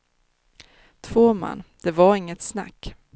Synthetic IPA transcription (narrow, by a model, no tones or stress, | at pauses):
t̪ʰvoːma̰nːd̪̥ɛvaɾɪŋːət̪sna̰kː